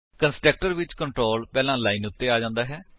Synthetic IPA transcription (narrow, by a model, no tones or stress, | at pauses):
kənsʈəːk̚ʈəɾʋɪt͡ʃkəɳʈɾoːlpɛːlãːlaːinʊt̪ːeːaːd͡ʒãːnd̪aːɦɛː